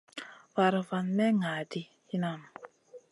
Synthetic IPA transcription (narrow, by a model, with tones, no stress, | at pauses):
fa˨ɾa˨fa˨nmɛ˦ŋa˨di˦ | i˦na˨m˨